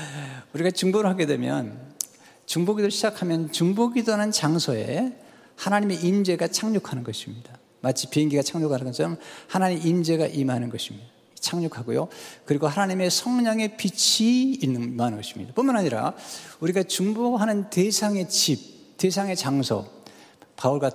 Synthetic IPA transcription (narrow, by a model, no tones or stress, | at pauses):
uɾiɡat͡ɕuŋboɾɯɭɦaɡe̞dwe̞mjʌ̰n | t͡ɕuŋboɡidoɾɭɕʰid͡ʑakʰamjʌnt͡ɕuŋboɡidonant͡ɕaŋsʰʌe̞̰ | hanaɲime̞ʔimd͡ʑe̞ɡat͡ɕʰaŋɲokʰanɯnɡʌɕʰimɲid̥a | mat͡ɕʰi̥pieŋɡiɡat͡ɕʰaŋɲokʰanɯsʌmhanaɲimimd͡ʑe̞ɡaʔimɦanɯnɡʌɕʰimɲida | t͡ɕʰaŋɲokʰaɡojo̰kɯɾiɡohanaɲime̞sʰʌŋɲʌŋe̞pit͡ɕʰiːnːɯnmanɯnŋɡʌɕʰi̥mɲḭd̥aponmanɦaɲiɾa̰uɾiɡat͡ɕuŋboɦanɯnte̞sʰaŋe̞t͡ɕip̚ | te̞sʰaŋe̞t͡ɕaŋsʰʌ̰ | pauɭɡwa